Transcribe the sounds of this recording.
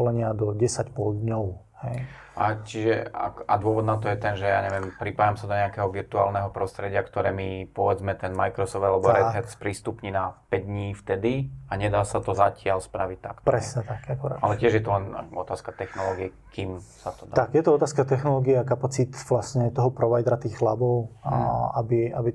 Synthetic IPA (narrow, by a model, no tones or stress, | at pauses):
lɛɲɪad̪ɔɟɛsacpɔld̪ɲɔʊ | hɛj | ʔa̰t͡ʃiʒɛa̰kad̪ʊɔʋɔd̪nat̪ɔjɛt̪ɛnʒɛja̰ːɲɛʋɪɛmpɾipaːjamsad̪ɔɲɛakɛɦɔʋiɾt̪ua̰ːlnɛɦɔpɾɔst̪ɾɛɟɪakt̪ɔɾɛːmipɔʋɛd͡zmɛt̪ɛnmajkɾɔsɔfd̪alɛbɔɾɛsɛt̪spɾiːst̪upɲiːnapɛɟd̪ɲiːft̪ɛd̪iaɲɛd̪aːsat̪ɔzacɪalspɾaʋic̚t̪a̰kt̪ɔpɾɛsɲɛt̪akakɔɾa̰alɛcɪɛʒjɛt̪ɔlɛnɔt̪aːskat̪ɛxnɔlɔːɡiɛ | kimsat̪ɔd̪at̪akjɛt̪ɔɔt̪aːskat̪ɛxnɔlɔːɡiɛakapat͡sit̪ʋlasɲɛt̪ɔɦɔpɾɔʋajd̪ɾat̪iːxxlabɔʊ | abiabi